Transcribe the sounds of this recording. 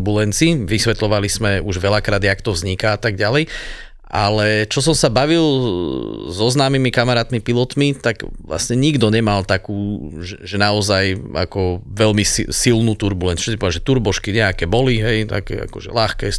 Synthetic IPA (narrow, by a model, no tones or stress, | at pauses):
bulɛnt͡siʋisʋɛt̪lɔʋalizmɛuʒʋɛʎakɾaːd̪jakt̪ɔvzɲikaat̪aɡɟalɛj | ʔa̰lɛt͡ʃɔs̬ɔmsabaʋil | zɔznaːmimikamaɾaːt̪mipilɔt̪mit̪aɡʋla̰sɲɛɲiɡd̪ɔɲɛmalˠt̪akuːʒɛʒɛnaɔzaja̰kɔʋɛlmissilnuːt̪uɾbulɛnu̥ʃɛipɔd̪aʒɛt̪uɾbɔʃkiɲɛakɛːbɔliɦɛjt̪a̰kɛ̰a̰kɔʒɛ̰laxkɛː